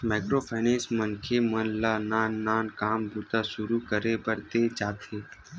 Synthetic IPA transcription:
mɛːkɾopʰɛːnẽːsmənkʰemənlaːnaːnːaːnkaːmbʱut̪aʃʊɾukəɾebəɾt̪ed͡ʒaːt̪ʰeː

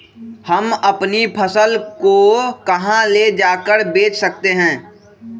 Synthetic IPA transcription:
həmɐpnipʰəsəlkokɐɦãled͡ʒaːkəɾbeːt͡ʃʰsək̚t̪eɦɛ̃ː

